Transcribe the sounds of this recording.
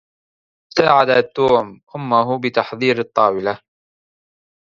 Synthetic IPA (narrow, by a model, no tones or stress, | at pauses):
saːʕad̪at̪ːuːmʔʊmːaɦʊbɪt̪ɑħðˤiːɾɑt̪ˤːɑːwɪla